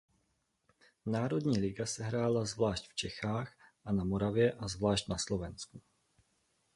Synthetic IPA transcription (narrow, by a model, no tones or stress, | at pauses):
naːɾo̞dɲiːlɪɡasɛɦɾaːlazvlaːʃcft͡ʃɛxaːxʔanamoɾavjɛʔazvlaːʃc̪naslo̞vɛnsku